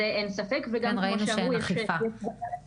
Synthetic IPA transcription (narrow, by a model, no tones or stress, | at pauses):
eʔensafekveɡamkoʃaujɛʃjɛ